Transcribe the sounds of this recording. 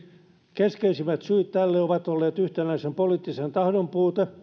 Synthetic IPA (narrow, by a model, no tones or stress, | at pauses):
keskeisimæt̪syːt̪t̪ːælːeoʋɑt̪olːeːt̪yht̪enæisempoliːt̪ːisent̪ɑhdompuːt̪e